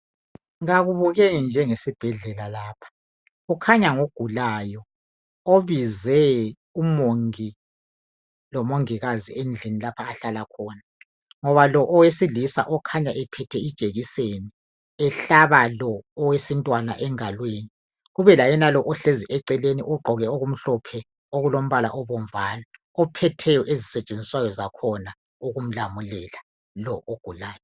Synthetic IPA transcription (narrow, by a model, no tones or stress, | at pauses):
ŋaɣuβɔɣenind͡ʒʱɛŋesib̥ʱɛɮɛlalaːpʰḁ | ukʰaɲaŋoɡ̥ʱulaːjɔ | oβizɛ | umoŋi | lɔmoŋiɣaziend͡ɮʱinilapʰaːɬalakʰɔːna | ŋɔβalɔʔɔwesilisa̰ʔɔkʰaɲaʔɛpʰɛtʰɛid̥ʒ̥ʱʼeɣiseni | ɛɬaβalɔːwesintʼwana̰ʔɛŋalweni | ɣuβɛlajɛnalɔʔɔɬeziʔɛǀɛlenḭʔɔɡ͡ǃʱɔɣɛoɣum̩ɬɔpʰɛ | oɣulom̩βala̰ʔɔβɔɱ̩vaːna | ɔpʰɛtʰɛjɔʔezisɛt͡ʃʼend͡zʱiswajɔzakʰɔna | uɣum̩lamulɛla | lɔʔoɡ̥ʱulaːjɔ